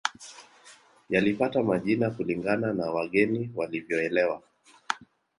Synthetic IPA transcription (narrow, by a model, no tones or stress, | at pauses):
jalipatamaʄinakuliŋɡananawaɠɛniwalivjɔɛlɛwa